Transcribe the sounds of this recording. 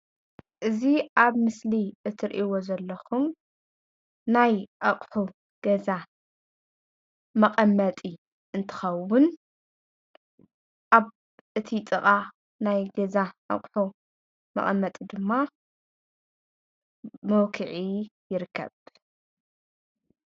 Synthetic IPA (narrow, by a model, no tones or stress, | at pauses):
ʔɨziʔaβmɨsliʔɨt̪ʰɨɾʔiwo̞zɐlːɐxum | najʔɐχʼħu | ɡ̥ɐza | mɐqʼɐmːɐt̪ʼi | ʔɨnt̪ʰɨ̥xɐwʊn | ʔaβ | ʔɨt̪ʰit̪ʼɨqʼa | najɡɐzaʔɐ̰χʼħu | mɐ̰χʼɐmːɐt̪ʼid̪ɨmːa | mɐwkʰɨʕijɪɾɨkʰːɐ̰β